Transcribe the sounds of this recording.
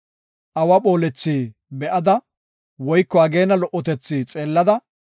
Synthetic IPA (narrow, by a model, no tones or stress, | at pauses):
ʔɐwɐpo̞ːlɛt͡sːiːbɛʔɐd̪ɐ | wɔjkːɔɐɡe̞ːnɐlɔʔːɔt̪ɛt͡sːiːt͡sʼe̞ːlːɐd̪ɐ